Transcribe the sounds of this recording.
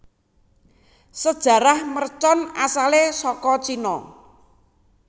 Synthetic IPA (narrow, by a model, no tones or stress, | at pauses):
səd̥ʒ̥ä̤ɾahmərt͡ʃɔnasalesɔkɔt͡ʃinɔ̰